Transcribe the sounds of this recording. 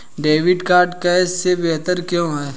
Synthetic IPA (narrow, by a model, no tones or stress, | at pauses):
ɖeːʋɪɖkaːɾɖkɛsːebɛɦt̪əɾkjõːɦɛː